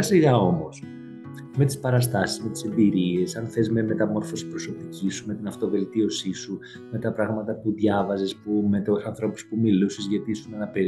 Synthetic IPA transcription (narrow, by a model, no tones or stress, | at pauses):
siɣɐo̞mo̞s | me̞t̪i̥spɐɾɐst̪ɐsizme̞t̪i̥se̞mbiɾie̞sɐnθe̞zme̞met̪ɐmo̞ɾfo̞si̥pɾo̞so̞picisume̞t̪inɐft̪o̞ve̞lt̪io̞sisu | me̞t̪ɐpɾɐɣmɐt̪ɐpuðʝɐvɐzespumet̪osɐnθɾo̞pu̥spumilusizʝɐt̪isunɐnɐpe